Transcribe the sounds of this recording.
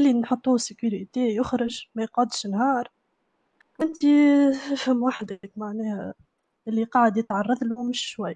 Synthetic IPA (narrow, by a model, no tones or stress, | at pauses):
ʔɪlːinħot̪ˤːuːsɪkuɾit̪ejʊxɾɪʒmæjqʕɑd̪ʃnhɑːɾˤ | ʔɪnt̪ifhɪmːwaħd̪kmaʕnɛːhæ | ʔɪlːiqɑːʕəd̪jɪt̪ʕɑrˤːɑðˤlumɪʃʃwajː